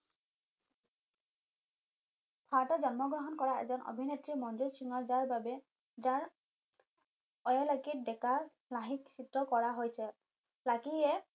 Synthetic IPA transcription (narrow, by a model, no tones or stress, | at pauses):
pʰaɹtɔzɔnmɔɡɹɔɦɔnkɔɹaɛ̰zɔnʔɔ̰bʱinetɹimɔnzuɹsiŋɔɹzaɹbabɛ | zaɹ | ɔjalakit̚dɛka | laɦiksitɹɔkɔɹaɦojsɛ | lakiɛ